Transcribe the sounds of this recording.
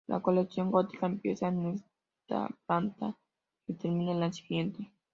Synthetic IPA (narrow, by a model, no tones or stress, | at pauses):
lʔa̰ko̞leksjo̞ŋɡot̪i̥kaempje̞saenes | t̪a̰plant̪a | it̪eɾmĩnelasi̥ɣje̞nt̪e